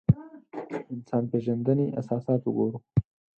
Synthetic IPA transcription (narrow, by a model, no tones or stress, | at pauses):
ɪnsɑːnpeʒand̪əneʔa̰sɑːsɑːt̪wʊɡoɾu